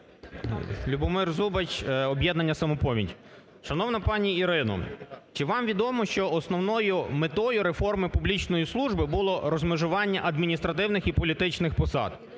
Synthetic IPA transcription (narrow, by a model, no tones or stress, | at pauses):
lʲubɔmɪrzubɐt͡ʃɔbʲjɛd̪nɐnʲːɐsɐmɔpɔmʲḭtʲ | ʃɐnɔʋnɐpɑnʲiːɾɪnɔ̰t͡ʃɪʋɑmʋʲid̪ɔmɔʃt͡ʃɔɔsnɔwnɔjʊmet̪ɔjʊɾe̞fɔrmɪpublʲit͡ʃnɔjislˠuʒbɪbʊlˠɔɾɔzmɪʒʊʋɑnʲːɐʔɐd̪mʲinʲist̪ɾɐt̪ɪwnɪxipɔlʲit̪ɪt͡ʃnɪxpɔsɑ̰d̪̥